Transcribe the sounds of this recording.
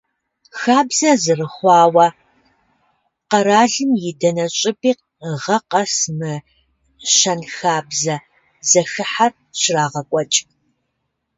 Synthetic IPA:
xaːbzɐzɨrɨχʷɑːwɐ | qɐɾaːɮɨmjɪdɐnɐɕʼɪbiːq̚ | ʁɐqɐsmɨ | ʃɐnxaːbzɐ | zɐxɨħar | ɕɪraːʁɐkʷʼɔt͡ʃʼ

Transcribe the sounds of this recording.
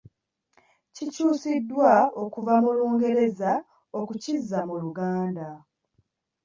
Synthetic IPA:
cicuːsidːwao̞kuvamuloːŋɡe̞ɾe̞za | o̞kucizːamuluɡaːnda

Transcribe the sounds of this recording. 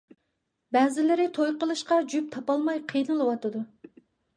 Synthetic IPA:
bɛːzɪlɪɾɪt̪ʰojqəlˠɨʃqɑd͡ʒyp̚t̪ʰɑpɑlˠmɑjqʰijnɨlˠɨwɑt̪ɨd̪u

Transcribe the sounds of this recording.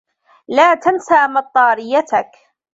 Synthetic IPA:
laːt̪ansaːmɑt̪ˤːɑːɾɪjːat̪ak

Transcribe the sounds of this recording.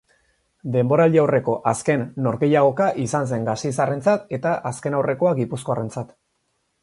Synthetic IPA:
d̪e̞mbo̞ɾald̪iawre̞ko̞ʔaske̞nːo̞ɾɣe̞jaɣ̞o̞kaʔisans̬e̞ŋɡasisare̞nt͡sat̪e̞t̪aʔaske̞nawre̞ko̞aɡipusko̞are̞nt͡sat̪

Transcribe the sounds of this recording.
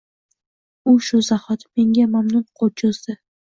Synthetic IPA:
ʊʃʊzahɒt̪me̞ŋɡʲamamnʊnqʰot͡ʃʰʊzd̪ɪ

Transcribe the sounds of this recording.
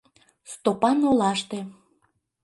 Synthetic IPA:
st̪opɑnolɑʃt̪e

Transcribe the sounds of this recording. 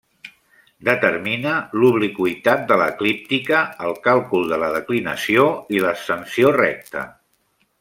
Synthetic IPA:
d̪ət̪əɾminəluβlikuit̪at̪̚d̪ələklip̚t̪ikəːlˠkalˠkulˠd̪ələðəklinə̰sioiləsənsiorɛ̰k̚t̪ə̰

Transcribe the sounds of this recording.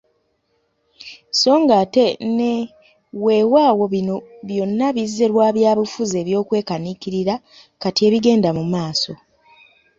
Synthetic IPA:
so̞ːŋɡate̞ne | we̞ːwaːwo̞βinoβjo̞nːaβizeɾwaːβjaːβifuzeːβjo̞ːkwe̞ːkanikiɾiɾa | katie̞ːβiɡe̞ːndamumaːso̞

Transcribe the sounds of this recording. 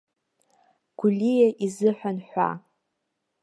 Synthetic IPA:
ɡ̥ʷʊlʲijaʔizɨħʷᶣanħʷa̰

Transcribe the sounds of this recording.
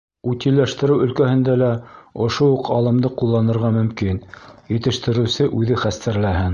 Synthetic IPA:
ut̪ilːæʃt̪ɘ̆ɾɘwɵ̆lkæhɘ̆nd̪ælæŏʃouqʰɑlˠɤ̆md̪ɤqulˠːɑnɤ̆ɾʁɑmɵ̆mkinjɘ̆t̪ɘ̆ʃt̪ɘ̆ɾɘ̆wsɘʔʉðɘχæst̪æɾlæɦɘn

